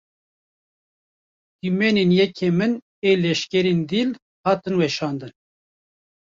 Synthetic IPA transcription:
kimɛnenjɛkʰeːmɨn | eːlɛʃkʲɛɾeːnd̪iːl | hɑːt̪ɨnwɛʃɑːnd̪ɨn

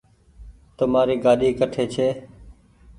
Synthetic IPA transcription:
t̪əmaːɾiːɡaːɗiːkəʈʰeːt͡ʃʰeː

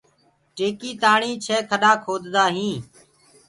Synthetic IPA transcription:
ʈeːkiːt̪aːɳĩːt͡ʃʰeːkʰəɗaːkʰoːd̪d̪aːɦĩː

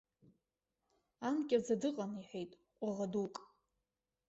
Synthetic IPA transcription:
ankʲʼɪrd͡zadɨqʼaniħʷᶣejtʼ | qʷʼaʁadukʼ

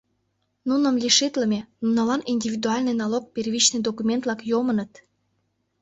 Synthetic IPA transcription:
nunə̆mlʲiʃit̪ləmʲenunɑlɑninʲdʲivʲid̪uɑlʲnejnɑlok̚pʲerβʲit͡ɕned̪okumʲent̪lɑkjomənət̪

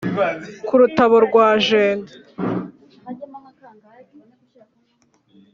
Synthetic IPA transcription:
kuɾutaβo̞ɾɡwaːʒeːnde

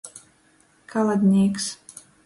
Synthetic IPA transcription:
kʰalˠad̪ʲnʲiɛks

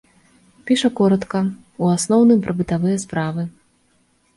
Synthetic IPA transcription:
pʲiʂɐkɔɾɐt̪kɐ | uasnɔwnɨmpɾʔɐbɨt̪avɨjɐspɾavɨ

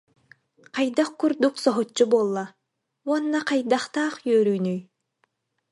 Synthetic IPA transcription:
qajd̪aχkuɾd̪uksɔɦɔt͡ʃːubulˠːa | uɔnːaqajd̪aχt̪aːχjœːɾyːnyj

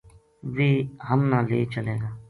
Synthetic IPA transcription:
ʋiːɦəmnãːlḛːt͡ʃəlẽːɡaː

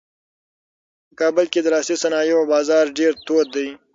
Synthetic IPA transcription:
kaːbɪlkid̪ɐɾaːsisɐnaːjiobaːzaːɾɖeːɾt̪oːɾ̚d̪əi

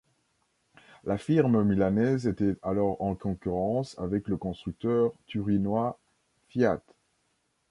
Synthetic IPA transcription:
lafiʁmmilanɛzet̪ɛalɔʁɑ̃kɔ̃kʲyʁɑ̃sa̰vɛkləkɔ̃st̪χyk̚t̪œʁt̪yʁinwa | fjat̪

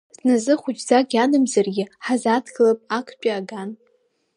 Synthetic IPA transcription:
z̥nazɨχʷʊt͡ʃʼzaɡʲanɨmzarɡʲɪħazatʰɡɨlapʼakʷʼʰpʼiaɡan

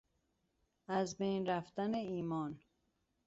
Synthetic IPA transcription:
æzbejnɾæft̪æneiːmɒːn

